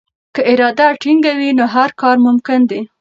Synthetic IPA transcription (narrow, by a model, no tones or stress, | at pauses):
kəɪɾɑd̪aʈiŋɡawinoɦaɾkɑɾmʊmkɪnd̪i